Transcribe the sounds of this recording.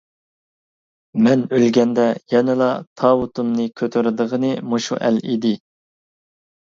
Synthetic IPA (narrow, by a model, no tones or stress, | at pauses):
mɛnølɡʲɛnd̪ɛjɛnɪlˠɑt̪ʰɑːwut̪ʰumnɨkʲʰøt̪ʰøɾɪd̪əʁənɨmoʃṵʔæ̰lid̪ɪ